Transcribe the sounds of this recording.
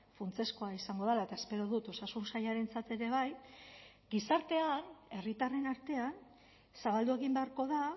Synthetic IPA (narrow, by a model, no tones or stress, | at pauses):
funt͡se̞sko̞aisaŋɡo̞ðalae̞t̪ae̞spe̞ɾo̞ðut̪o̞sasunsajaɾe̞nt͡sat̪e̞ɾe̞β̞aj | ɡisaɾt̪e̞ane̞rit̪are̞naɾt̪e̞an | saβald̪ue̞ɣimbe̞aɾko̞ða